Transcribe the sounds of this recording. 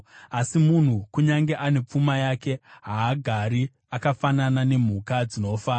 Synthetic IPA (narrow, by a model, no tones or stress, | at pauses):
asimun̤ukuɲaŋɡe̞ʔane̞p͡fumajake̞ɦaːɡʱaɾi | akafananane̞m̤ukad͡zino̞faːna